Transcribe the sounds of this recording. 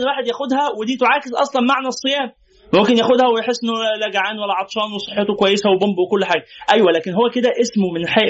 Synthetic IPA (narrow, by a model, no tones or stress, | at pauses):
nwaːħed̪jæxod̪hæwed̪iːt̪oʕaːkesʔɑ̰sˤlɑnmaʕnæsˤːejæːm | momkenjæxod̪hæwejħesːˤʔenːolæɡʕaːnwælːæʕɑt̪ˤʃɑːnwesˤe̥ħːet̪okwæjːesæwebombwekolːħaːɡæʔæjwælæːkenɦowːæked̪æʔesmomenħeːʔ